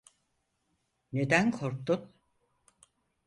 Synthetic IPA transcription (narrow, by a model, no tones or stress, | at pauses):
ned̪ænkʰoɾk̚t̪un